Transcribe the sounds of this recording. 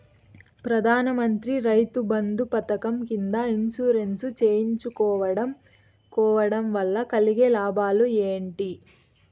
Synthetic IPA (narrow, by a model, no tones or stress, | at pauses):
pɾɐd̪ʱaːnɐmɐnt̪ɾiɾɐjt̪ubɐnd̪upɐt̪ɐkɐmkind̪ɐinsuːɾe̞nsut͡ʃeːjiɲt͡ʃukɔːʋɐɽɐm | kɔːʋɐɽɐmʋɐlːɐkɐliɡelaːbaːlue̞ːɳʈi